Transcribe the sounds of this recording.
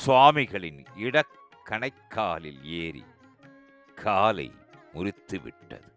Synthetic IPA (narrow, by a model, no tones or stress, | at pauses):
sʊʋaːmɪɣɐɭɪnɪɽɐkː | ɐɳɐɪkʰːaːlɪ̰leːɾḭ | kʰːaːlɐ̰ɪmʊrɪt̪ːɯʋɪ̰ʈːɐ̰ðɯ